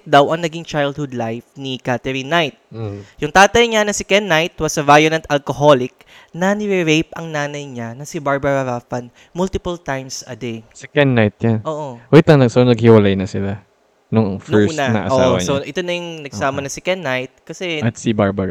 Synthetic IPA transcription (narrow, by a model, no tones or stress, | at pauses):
d̪ɐwʔɐŋnɐɡiŋt͡ʃajld̪̚hʊd̪lajfnikat̪ɛɾinːajt̪̚jʊŋt̪aːt̪ɐjɲanɐsɪkɛnːajt̪wɐsɐvajonɐnt̪ʔɐlkoɦo̞lɪk̚ | nɐnɪɾɪɾejp̚ɐŋnaːnɐjɲanɐsɪbaɹbɐɾɐɾafɐn | mʊlt̪ɪpɐlt̪ajmsʔɐd̪ejsɛkɛnːajt̪̚janʔoːʔowoɪt̪ɐŋnɐsonɐɡhɪwɐlajnɐsɪla | nʊŋŋfnɛɹːnɐnɐ̰ʔɐʔosaʔːwɐsoʔɪt̪onɐjʊŋnɐɡsaːmɐnɐsɛkɛnːajt̪̚kɐsɛɐt̪sɪbaɹbɐɾ